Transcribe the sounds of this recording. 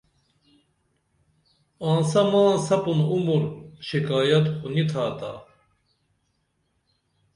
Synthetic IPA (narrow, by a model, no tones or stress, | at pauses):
ãːnsɐmaːsɐpunumuɾɕikaːjɐt̪kunit̪ʰaːt̪a̰